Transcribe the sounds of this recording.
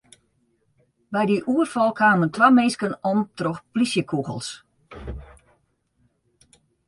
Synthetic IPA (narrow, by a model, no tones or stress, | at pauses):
bɛjdiʔuərfɔlˠkʰaːməntʋamenskənɔmtrɔxplisjəkʰuɣəlˠs